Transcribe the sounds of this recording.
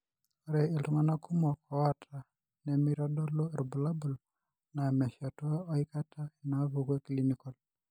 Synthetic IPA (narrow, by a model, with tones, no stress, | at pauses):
ɔɾɛ˨e˨lu˨ŋa˦na˦kʰu˦mɔ˨kɔ˨a˦tʰa˨ | nɛ˨mi˦ɾɔ˦dɔ˦lɔ˦ɾu˨bu˨la˦bu˨l | na˨mɛ˨ʃa˨tɔ˦a˦ɔ˦i˦ka˦tʰa˦i˨na˨˦βuɡwe˦klinikɔ˨l